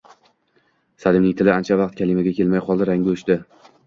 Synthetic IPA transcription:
sad̪ɪmnɪŋt̪ʰɪlɪant͡ʃʰavɑqt̪̚kʲʰalɪmaɡʲakʲʰe̞lmajqɒlˠd̪ɪɾaŋɡʲɪʊʃt̪ɪ

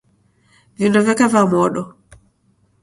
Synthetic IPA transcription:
vindɔvɛkavamɔɗɔ

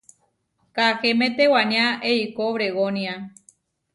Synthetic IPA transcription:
kaxemẽt̪ewaɲãʔeikoβɾeɣonĩa

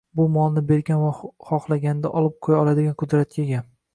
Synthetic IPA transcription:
bʊmɒlˠnɪbe̞ɾɡʲanvaχɒχlˠaɡʲanɪd̪aʔɒlˠɪp̚qʰojaɒlˠad̪ɪɡʲanqʰʊd̪ɾat̪̚kʲeɡʲa

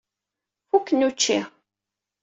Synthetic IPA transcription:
fukːənut͡ʃːi

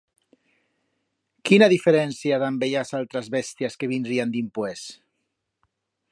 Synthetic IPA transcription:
kinaðifeɾɛnsiaðambeʎasalˠt̪ɾazβɛst̪iaskeβind̪ɾiand̪impwes

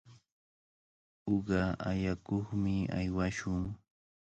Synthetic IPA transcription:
oɢɑajakoχmɪa̰jwaʃʊŋ

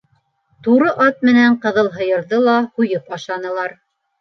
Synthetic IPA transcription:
t̪uɾɤʔɑt̪̚mɘ̆næɴqɤ̆ðɤlˠɦɤ̆jɤ̆ɾðɤlˠɑhujɤpɑʃɑnɤ̆lˠɑɾ

